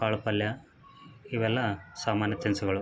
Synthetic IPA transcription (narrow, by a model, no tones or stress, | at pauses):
kaːɭupːɐljɐ | iʋɛlːɐsaːmaːnjɐt̪ɐnsuɣɐɭu